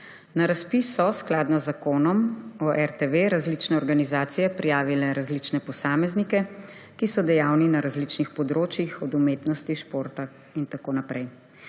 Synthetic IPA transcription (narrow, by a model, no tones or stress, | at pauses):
naɾaspisːɔsklaːd̪nɔzːakoːnɔmɔʔɛɾt̪eʋeɾazlit͡ʃnɛɔɾɡanizaːt̪sijɛpɾijaːʋilɛɾazlit͡ʃnɛpɔsaːmɛznikɛ | kisɔd̪ɛjaːwninaɾazlit͡ʃnixpɔd̪ɾoːt͡ʃjixɔd̪umeːt̪nɔst̪iʃpoːɾt̪a | int̪akoːnapɾɛj